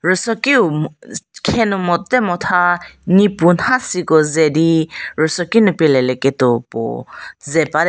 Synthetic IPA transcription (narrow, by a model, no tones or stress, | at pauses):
ɹɔsɔki | kʰɛnumɔtːɛmɔtʰanipunhasikɔzɛdiɹɯsɔkinupilɛlɛkɛtɔpɔ̰zɛpad